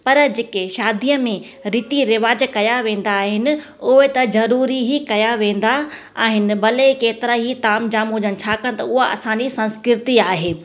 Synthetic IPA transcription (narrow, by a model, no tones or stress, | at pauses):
pɐɾd͡ʑeːkeʃaːd̪ijəmẽ | ɾɪːt̪iɾɪʋaːd͡ʑkɐjaʋẽːn̆d̪aːɦɪnɪ̆ | ʊɦet̪ɐzɐɾuːɾiɦikɐjaʋẽːn̆d̪a | aːɦɪnɪ̆bɐlekeːt̪ɪɾaɦit̪aːmd͡ʑãːmʊ̃d͡ʑənɪ̆t͡ɕʰaːkɐɽ̃̆t̪ɐ̰ʊɦaɐ̰sãːɲd͡ʑisɐ̃nskɾɪɾɪt̪iaːɦeː